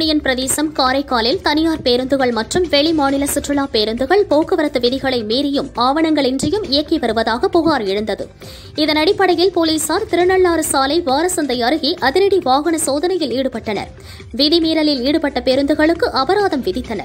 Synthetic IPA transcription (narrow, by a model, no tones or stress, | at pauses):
ɳɪjɐnpɪɾɐðeːsɐmkaːɾɐɪkːaːlɪlt̪ɐnɪjaːɾpeːɾɯnd̪ɯɣɐɭmɐʈrɯmʋɛɭimaːɳɪlɐsɪʈrɯɭaːpeːɾɯnd̪ɯɣɐɭpoːkɯʋɐɾɐt̪ːɯʋɪðɪɣɐɭɐɪmeːɾɪjɯmaːʋɐɳɐŋɡɐɭɪndrɪjɯmɪjɐkːiʋɐɾɯʋɐðaːɣɐpʊɣaːɾɛɻɯnd̪ɐðɯ̰ | ɪðɐnɐɽɪpːɐɽɐjɪlpoːliːsaːɾt̪ɪɾɯnɐɭːaːɾɯsaːlɐɪʋaːɾɐsɐnd̪ɐɪɐɾɯɣiʔɐðɪɾɐɽiʋaːɣɐɳɐsoːðɐnɐjɪliːɽɯpɐʈːɐnɐ̰ɾ | ʋɪðimiːɾɐlɪliːɽɯpɐʈːɐpeːɾɯnd̪ɯɣɐɭɯkːɯʔɐbɐɾaːðɐmʋɪðɪt̪ːɐnɐ̰ɾ